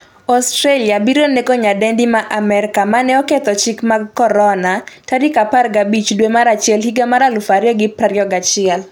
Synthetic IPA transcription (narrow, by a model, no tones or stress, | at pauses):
ɔstɾaliabiɾonekoɲadɛndimaʔamɛɾɪkamanɛɔket̪ɔt͡ʃɪkmaɡkɔɾɔnatadikaparɡabit͡ʃdwemaɾat͡ʃɪɛlhiɡamaɾalufaɾjɔɡɪpraɾjɔɡat͡ʃɪɛl